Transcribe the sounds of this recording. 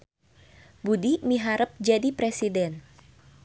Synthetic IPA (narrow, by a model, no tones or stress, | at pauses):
budimiɦaɾəp̚d͡ʒadipɾesidɛn